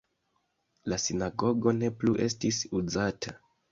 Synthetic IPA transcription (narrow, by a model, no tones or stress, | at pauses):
lasinaɡo̞ɡo̞ne̞pluʔe̞stisuzatʰa